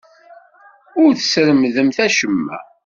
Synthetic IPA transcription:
ʊɾθə̥sɾəmðəmθæʃəmːæ̰

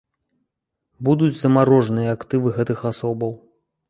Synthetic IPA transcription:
bud̪ud͡zʲzɐmaɾɔʐnɨjɐakt̪ɨvɨɣɛt̪ɨxasɔbɐw

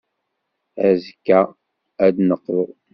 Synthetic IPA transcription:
ʕæzkːæ | æd̪nəqː

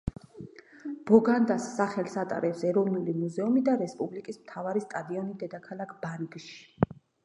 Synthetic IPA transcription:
b̥ɔɡand̪asːaχɛlsat̪ʼa̰ɾɛpsɛɾɔvnulimuzɛumid̪aɾɛspʼublikʼismt̪ʰavaɾist̪ʼad̪iɔnid̪ɛd̪akʰalˠakʰb̥anɡʃi̥

